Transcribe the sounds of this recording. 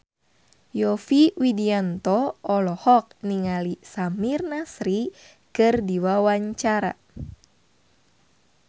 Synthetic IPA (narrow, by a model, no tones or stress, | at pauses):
jɔfiwidiant̪ɔɔlɔhɔk̚niŋalisamirnasɾi | kɨrdiwawaɲt͡ʃaɾa̰